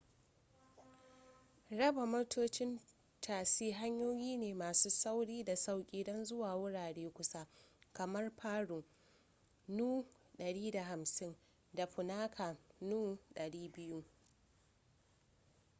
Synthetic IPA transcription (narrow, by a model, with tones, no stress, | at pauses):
ɽɐ˦ba˨moː˦tʰoː˦t͡ʃɪ˦n | tʰaː˨siː˦ɦa˦ɲjoː˦jiː˦neː˨maː˨suː˦sa˦wɽiː˦da˨sa˦wkʲʼiː˦dɔ˦nzʊ˦waː˨wʊ˦ɽaː˨ɽeː˦kʷʊ˦sa˦kɐ˨mɐ˦rɸʰaː˦ɽuː˨ | nuː˦ | ɗɐ˨ɽiː˦da˨ɦa˨msɪ˦n | da˨ɸʊ˨naː˦kʰa˨nuː˦ɗɐ˨ɽiː˦bɪ˦ju˦